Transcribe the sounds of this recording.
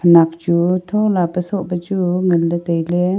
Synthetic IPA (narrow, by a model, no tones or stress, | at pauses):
ənak̚t͡ʃut̪ʰolapəsoʔpət͡ʃuŋəlːət̪əjle